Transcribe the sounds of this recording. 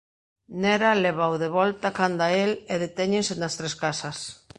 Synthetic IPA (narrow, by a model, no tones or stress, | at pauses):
neɾaleβ̞awðeβɔlt̪akand̪aeleðet̪ɛɲensenast̪ɾeskasas